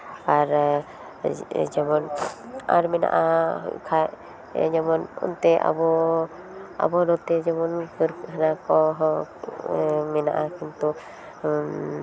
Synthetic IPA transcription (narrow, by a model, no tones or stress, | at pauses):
paɾ | d͡ʒamɔn | a̰ɾmɛna̰ʔakʰa | d͡ʒamɔnṵnt̪ɛa̰bɔ | a̰bɔd̪ɔt̪ɛd͡ʒamɔnkɾɦnakɔɦ | mɛnaʔakint̪u